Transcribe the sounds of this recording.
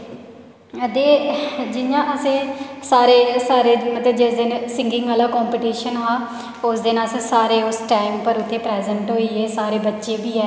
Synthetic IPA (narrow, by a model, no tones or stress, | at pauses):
d̪eːd͡ʒɪjãːʔəsẽːsaːɾeːsaːɾeːmət̪ləbd͡ʒɪsd̪ɪnsɪŋɡɪŋɡaːlaːkɔːmpiːʈiːʃənɦãː | ʊsd̪ɪnəsẽːsaːɾeːʊsʈaːɪmpəɾʊt̪ʰːeːpɾɛːzəɳʈɦoːiːeːsaːɾeːbətːʃeːbiːɛː